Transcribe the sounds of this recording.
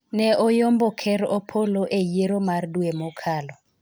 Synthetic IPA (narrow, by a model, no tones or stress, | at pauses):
nɛʔojombɔkʰɛɾopʰoloʔejeɾomardwemɔkʰalɔ